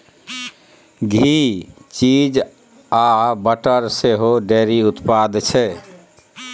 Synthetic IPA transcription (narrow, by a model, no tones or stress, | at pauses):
ɡʱit͡ʃid͡ʒ | abəʈəɾseɦoɖeɾiut̪pad̪t͡ʃʰɛ